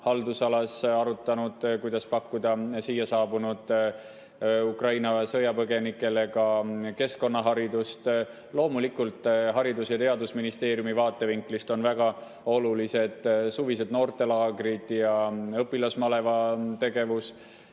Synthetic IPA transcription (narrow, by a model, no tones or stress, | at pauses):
hɑld̪usɑlɑsɑɾut̪ːˑɑnud̪̥kujd̪̥ɑspɑkːud̪̥ɑsijːɑsɑːbunud̪̥ | ukrɑjnɑsɤjɑpɤɡe̞nikːˑe̞le̞kɑke̞sko̞nːɑɦɑɾid̪ust̪ | lo̞ːmulikult̪ːˑɦɑɾid̪usjɑt̪e̞ɑd̪usminist̪e̞ːɾjumivɑːt̪ːˑe̞viŋklist̪o̞nvæɡ̥ɑ | o̞lulise̞d̪̥suvise̞d̪no̞ːrt̪ˑe̞lɑːɡrid̪jɑɤpːˑilɑsmɑle̞vɑt̪e̞ɡ̥e̞vus